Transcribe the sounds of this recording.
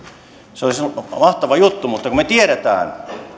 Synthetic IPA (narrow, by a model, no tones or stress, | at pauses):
seolismɑht̪ɑʋɑjut̪ːumut̪ːɑkumet̪ieɾæt̪æ̰ːn